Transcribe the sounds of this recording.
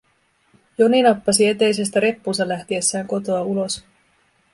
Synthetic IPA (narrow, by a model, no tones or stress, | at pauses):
jo̞ninɑpːɑsie̞t̪e̞jse̞st̪æɾe̞pːuːsɑlæht̪ie̞sːæːŋko̞t̪o̞ɑulo̞s